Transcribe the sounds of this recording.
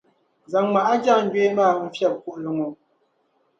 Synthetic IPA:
za˨ŋma˨ʔa˦d͡ʒa˦˨ŋ̩˦ɡɥe˦maː˦˨˦m̩˨fja˦˨p̚ku˨ʔlə˨ŋo˨

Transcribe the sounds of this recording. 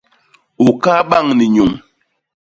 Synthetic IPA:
u˨ka˦ɓa˦˨ŋni˨ɲu˨ŋ

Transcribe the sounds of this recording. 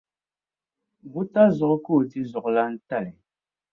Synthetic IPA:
ɣu˦ta˦zɔ˨kko˦˨ti˦zɔ˨kla˦n̩˦ta˦˨lɛ˨

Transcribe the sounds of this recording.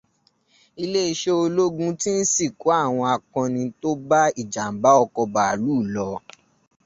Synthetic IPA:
i˧le˦i˧ʃe˦o˧lo˦ɡũ˦ti˦n̩˦si˦˨ko˨˦a˦˨w̃ɔ̃˧a˨kɔ̃˧nĩ˧to˦ba˦i˦˨d͡ʒa˨m̩˨ba˨˦ɔ˧kɔ˧ba˨luː˦˨lɔ˧˦

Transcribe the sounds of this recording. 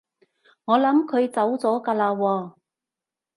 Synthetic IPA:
ŋɔː˨˧lɐ˨˥mkʰɵ˨˧ɥt͡sɐ˨˥wt͡sɔː˨˥kaː˧laː˧wɔː˧

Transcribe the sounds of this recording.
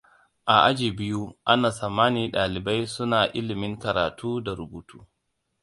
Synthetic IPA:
ʔa˨ʔa˦d͡ʒiː˨bɪ˦ju˦ʔa˦naː˨sɐ˨mːaː˦niː˦ɗaː˨lɪ˨ba˦jsʊ˦naː˨ʔɪ˦lɪ˨mɪ˦ŋkɐ˨ɾaː˨tʰuː˦da˨ɾʊ˨buː˨tʰuː˦

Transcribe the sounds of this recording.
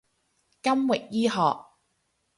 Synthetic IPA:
kɐ˥mwɪ˨k̚jiː˥ɦɔː˨k̚

